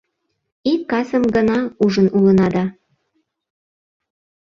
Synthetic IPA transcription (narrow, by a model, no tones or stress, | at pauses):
ikːɑsəmɡənɑuʒə̆nulənɑd̪ɑ